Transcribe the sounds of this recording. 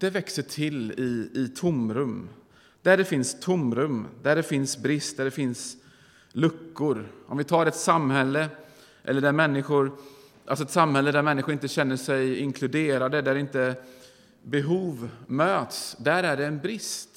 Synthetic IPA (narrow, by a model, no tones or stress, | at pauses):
d̪̥ɛvɛksəʈʰɪlɪɪt̪ʰʊmɾɵmː | d̪̥æɖɛfɪnst̪ʰʊmɾɵmd̪æɖɛfɪnsbɾɪst̪̚d̪æɖɛfɪns | lɵkːʊɾʔɔmvɪt̪ʰɑːɾɛt̪samhɛlːə | ʔɛ̰lːəɖæɾmɛnːɪɧʊɾ | ʔa̰lsɔɛt̪samhɛlːəd̪æɾmɛnːɪxɧʊɾɪnt̪əɕɛnːəʂɛjɪŋkʰlɵd̪eːɾad̪əd̪æɾɪnt̪ə | bɛɦuːvmøːt̪sd̪æɾæɖɛːnbɾɪst̪